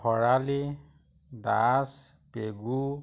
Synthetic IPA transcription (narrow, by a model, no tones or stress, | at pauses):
ɔɹali | das | peɡu